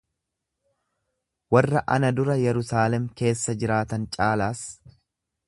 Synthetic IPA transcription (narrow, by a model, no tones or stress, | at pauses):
wɐrːɐʔɐnɐd̪ʊɾɐjɛɾʊsaːlɛmke̞ːsːɐd͡ʒɪɾaːt̪ɐnt͡ʃʼaːlaːs